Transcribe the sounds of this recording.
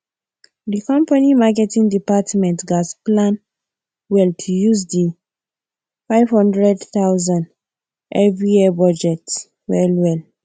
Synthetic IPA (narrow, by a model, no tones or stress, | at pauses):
dikɔ̃mpanimakɛtĩŋdipatmɛ̃ntɡasplãn | wɛltʰujuzdi | fajvhɔ̃ndɹɛdθawzãnd | ʔɛvɹijibɔd͡ʒɛt | wɛlwɛl